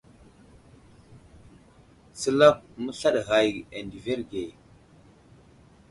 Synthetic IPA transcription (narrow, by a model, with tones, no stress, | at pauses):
sə˦la˦p̚mə˦ɬa˦ɗɣa˨je˨ndi˨ve˦ɾɡe˨